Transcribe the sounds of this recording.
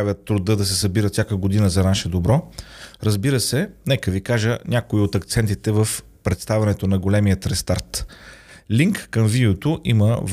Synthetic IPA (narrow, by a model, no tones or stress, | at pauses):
avʲjət̪ːɾʊd̪ɤd̪ɐsɛsɐbiɾət̪sʲakəɡod̪inəzɐnaʃɛd̪obɾɔɾəzbiɾəsɛnɛkəvikaʒənʲakoiot̪ɐkt̪sɛnt̪it̪ɛvəf | pɾɛt̪st̪avʲɐnɛt̪onɐɡolɛmijət̪ɾɛst̪aɾt̪ | liŋkːəmvid̪ɛot̪oʔiməv